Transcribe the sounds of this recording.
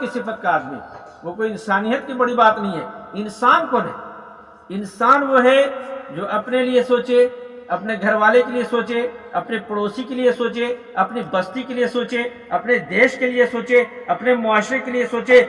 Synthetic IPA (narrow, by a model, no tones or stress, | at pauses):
kisɪpʰət̪kaaːd̪mḭ | ʋokoːiɪnsaːnijət̪kibɐɽibaːt̪nəɦĩɦɛ̰ːɪnsaːnkoːnɦɛ̰ː | ɪnsaːnʋoɦɛd͡ʒoːʔɐpneliesoːt͡ʃeɐpneɡʱɐɾʋaːlekeliesoːt͡ʃeɐpnepɐɽoːsikeliesoːt͡ʃe | ɐpnibɐst̪ikelijesoːt͡ʃe | ɐpned̪eːʃkelɪesoːt͡ʃeɐpnemʊaːʃɾekeliesoːt͡ʃe